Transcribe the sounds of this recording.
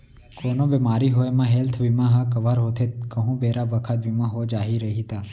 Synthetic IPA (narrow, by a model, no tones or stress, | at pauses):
koːnõbemaːɾiɦoemãɦɛlt̪ʰʋimãɦakəʋaɾɦoːt̪ʰet̪kəɦũːbeːɾabəkʰət̪̚ʋimãɦod͡ʒaːɦiɾəɦit̪aː